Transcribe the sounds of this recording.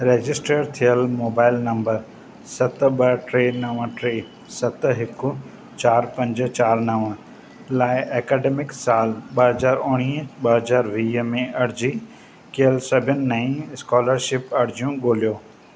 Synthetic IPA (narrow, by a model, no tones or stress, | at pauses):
ɾeːd͡ʑɪsʈɾeːʈt̪ʰijəlmoːbaːɪlnɐ̃mbəɾ | sɐt̪ɓɐʈɾeːnɐʋəʈɾeː | sɐt̪ɦɪkʊ | t͡ɕaːɾpɐ̃ɲd͡ʑ̆t͡ɕaːɾnɐʋə | laːɪʔɛːkɛːɖeːmɪksaːlɓɐɦɐzaːɾʊɽ̃iːɓɐɦɐzaːɾʋiːɦmẽʔɐɽd͡ʑi | kiəlsɐbʱənɪːɐĩɪskɔːləɾʃɪpɐɽ̤d͡ʑjũɡoːlijoː